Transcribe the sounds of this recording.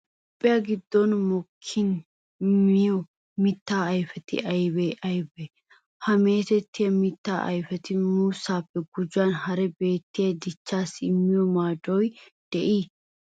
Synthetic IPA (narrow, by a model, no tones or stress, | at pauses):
ɔpʼːɪjaɡɪd̪ːɔnmɔkʰːɪn | mɪjɔ | mɪt̪ːaːɐjfɛt̪ɪ̰ʔɐjbeʔɐjbɛ | hɐme̞ːt̪ɛt̪ːɪjɐmɪt̪ːaːʔɐ̰jfɛt̪ɪmuːsaːpːɛɡʊd͡ʒaːnhɐɾɛbe̞ːt̪ːɪjɐd̪ɪt͡ʃːaːsɪmːɪjɔmaːd̪ɔjd̪̥ɛʔiː